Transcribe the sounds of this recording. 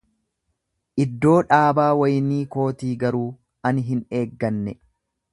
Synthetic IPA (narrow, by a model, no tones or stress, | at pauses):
ʔɪd̪ːo̞ːᶑaːbaːwɐjniːko̞ːt̪iːɡɐɾuː | ɐnɦɪne̞ːɡːɐnːɛ